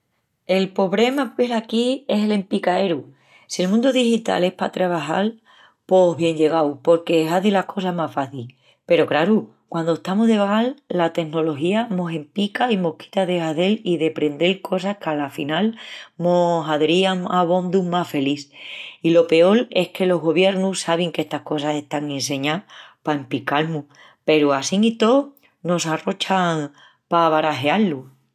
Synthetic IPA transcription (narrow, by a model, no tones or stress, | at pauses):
e̞lpo̞βɾe̞mapweɾakie̞se̞le̞mpikae̞ɾu | sie̞lmũnd̪oðihit̪a̰le̞hpat̪ɾaβ̞aɦa̰l | po̞ɦβje̞ɲd͡ʒe̞ɣawpo̞ɾke̞ːɦaðilahkʰo̞samafaθil | pe̞ɾo̞kɾaɾu | kwand̪oeht̪amoɦðe̞βaalːat̪e̞kno̞lo̞ɦiamo̞se̞mpikaimo̞hki̥t̪aðe̞haðe̞liðe̞pɾe̞nd̪elkʰo̞sahkalafinalmosaðeɾiaŋaβ̞o̞nd̪umafe̞liθilo̞pe̞o̞le̞hke̞lo̞ɦɣo̞βje̞ɾnussaβ̞eŋke̞st̪ahko̞s̬ase̞ht̪aŋẽns̬e̞ɲapaempikalmu | pe̞ɾuasiŋit̪o̞ | no̞saro̞t͡ʃaŋ | paβaɾaɦe̞alːu